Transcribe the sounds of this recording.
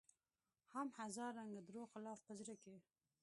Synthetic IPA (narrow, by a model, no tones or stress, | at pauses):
hamhazɑɾːaŋɡad̪ɾoxɪlɑːfpəzɾake